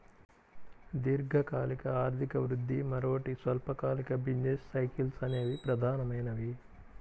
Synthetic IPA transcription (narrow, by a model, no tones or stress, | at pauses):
d̪iɾɡʱɐkaːlikɐaːɾt̪ʰikɐʋɾud̪ʱːimɐɾoːʈisʋɐlpɐkaːlikɐbinnesːɐjkilsɐne̞ːd̪ipɾɐd̪ʱaːnɐmɐjnɐʋi